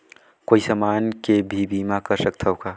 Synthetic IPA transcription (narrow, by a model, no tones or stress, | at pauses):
koːisəmaːnkebʱibiːmakəɾsək̚t̪ʰaɦokaː